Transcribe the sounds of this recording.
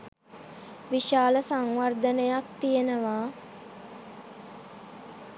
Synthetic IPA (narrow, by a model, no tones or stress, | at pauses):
ʋiʃaːləsaŋʋard̪ənəjak̚t̪ijenəʋaː